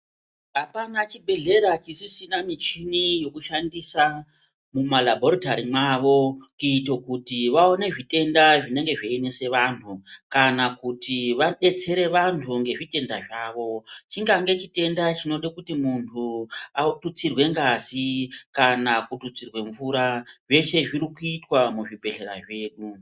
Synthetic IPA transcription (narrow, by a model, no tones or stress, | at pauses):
ɦapanat͡ʃibʱe̞ɮe̞ɾat͡ʃisisinamit͡ʃinijo̞kuʃandisa | mumalabʱoɾitaɾimaʋo̞kuito̞kutiʋao̞ne̞ʐite̞ndaʐine̞ŋɡe̞ʐeinese̞ʋantʰukanakutiʋaɗe̞t͡se̞ɾe̞ʋantʰuŋɡe̞ʐite̞ndaʐaːʋo̞t͡ʃiŋɡaŋɡe̞t͡ʃite̞ndat͡ʃino̞ɗekutimuntʰuatut͡sirwe̞ŋɡazikanakutut͡sirwe̞ɱvuɾaʐe̞ʃe̞ʐiɾikuitwamuʐibʱe̞ɮe̞ɾa̰ʐe̞ːɗu